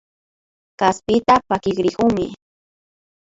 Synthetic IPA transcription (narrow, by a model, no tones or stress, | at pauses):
kaspɪt̪apakɪkɾɪkʊŋmɪ